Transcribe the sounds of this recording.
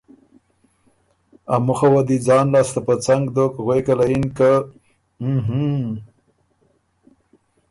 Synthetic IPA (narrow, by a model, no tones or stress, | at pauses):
amʊxawad̪id͡zɑːnlɑːst̪apət͡saŋɡd̪okɣwekalainka | ɦ